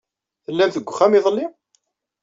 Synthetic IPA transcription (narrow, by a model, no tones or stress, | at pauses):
θəlːæmθəɡʷːχːæmiðˤəlːi